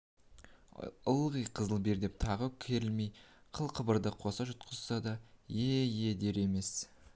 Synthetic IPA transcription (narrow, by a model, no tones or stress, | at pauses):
ʊlˠʁijqʰəzəlˠbe̞ɾd̪e̞p̚t̪ʰɑʁəkʲʰe̞ɾɪlme̞jqʰəlˠqʰəbəɾd̪əqʰo̞sɑʒʊt̪̚qʰəzsɑd̪ɑjejed̪e̞ɾe̞me̞s